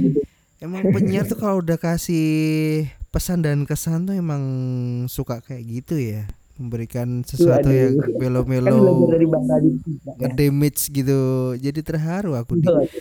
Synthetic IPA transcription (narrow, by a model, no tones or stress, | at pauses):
emaŋpəɲart̪ukaloudahkasi | pəsandankəsant̪uemaŋsukakajaʔɡit̪uja | məmbəɾikansəssuaujamelomelolaadaɾibasadiŋədemɪt͡ʃɡit̪ud͡ʒadit̪ərɦaɾuakui